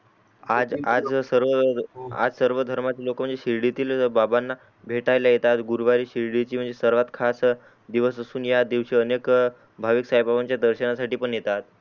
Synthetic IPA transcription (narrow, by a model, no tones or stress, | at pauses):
ad͡zad͡zsəɾʋəa̰d͡zsəɾʋəd̪ʱəɾmat͡ɕilokəm̤əɳd͡zeɕiɾɽit̪iːlbabanːa | bʱeʈajlajet̪at̪ɡuɾʋaɾiːɕiɾɽit͡ɕiːm̤əɳd͡zesəɾʋat̪kʰas | d̪iʋəsəsuːnjad̪iʋɕiːənek | bʱaʋiksajpaʋaɲt͡ɕjad̪əɾɕənasaʈiːpəɳjet̪at̪̚